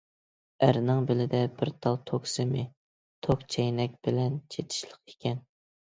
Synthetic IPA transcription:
æɾnɪŋbɪlɪd̪ɛbɪɾt̪ʰɑlˠt̪ʰoksɪmɪ | t̪ʰokt͡ʃʰɛjnɛk̚ʲb̥ɪlɛnt͡ʃʰet̪ʰɪ̥ʃlˠəqe̥kʲʰɛn

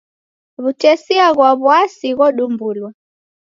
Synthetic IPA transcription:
βutɛsiaɣwaβuasiɣɔɗumbulwa

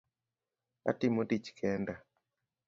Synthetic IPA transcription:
a̰tɪmodit͡ʃkʰɛnda

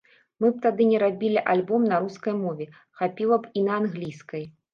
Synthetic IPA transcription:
mɨp̚t̪ad̪ɨnʲɛɾabʲilʲiʔalʲbɔmnɐɾuskɐjmɔvʲɛ | xapʲilˠɐpinɐːnɣlʲiskɐj

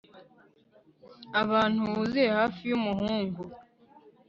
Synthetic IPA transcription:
aβaːn̥huβuziehaːfijumuhuːŋɡu

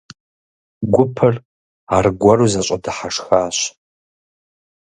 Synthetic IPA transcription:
ɡʷʊpʰɐr | arɡʷɐruzaɕʷʼɐdɨħaʂxaːɕ

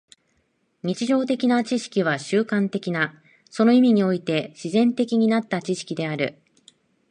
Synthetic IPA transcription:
ɲ̟it͡ɕiʑo̞ːt̪e̞kʲinat͡ɕiɕi̥kʲiβ̞aɕɨːkãnt̪e̞kʲina | so̞no̞imʲiɲ̟io̞it̪e̞ɕizẽ̞nt̪e̞kʲiɲ̟inat̪ːat͡ɕiɕi̥kʲid̪e̞aɾɯ̟̰

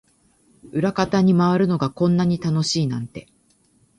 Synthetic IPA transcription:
ɯ̟ɾakat̪aɲ̟imaβaɾɯ̟no̞ɡakõ̞nːaɲ̟it̪ano̞ɕiːnã̰nt̪e̞

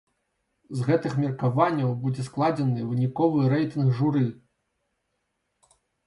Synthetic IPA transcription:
zɣɛt̪ɨxmʲirkavanʲːɐwbud͡zʲɛsklˠad͡zʲɛnɨvɨnʲikɔvɨɾɛjt̪ɨnkʐuɾɨ

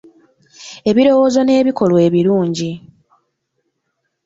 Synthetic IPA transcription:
e̞βiɾo̞woːzo̞ne̞ːβiko̞lwe̞ːβiluːɲɟi

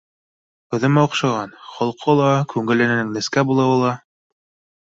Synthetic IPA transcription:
qɤ̆ðɤ̆mɑuqʃɑʁɑnχɒlˠqʰɤlˠɑkʉŋɡɘ̆lɘ̆nɘ̆nɘŋnɘ̆skæbulˠɑwɤlˠɑ

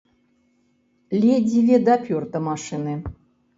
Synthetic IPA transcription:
lʲedʲivʲed̪apʲort̪əmaʂɨnɨ

